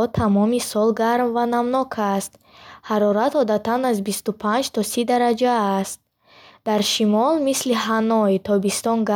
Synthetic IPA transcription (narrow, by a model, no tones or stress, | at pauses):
ɔt̪ʰamɔmisɔlɡaɾmvanamnɔkʰast̪ | haɾɔɾat̪ɔd̪at̪ʰanazbist̪upʰand͡ʒt̪ʰɔsid̪aɾad͡ʒaːst̪̚ | d̪̥aɾʃimɔlmisliɦanɔit̪ʰɔbist̪ɔnɡa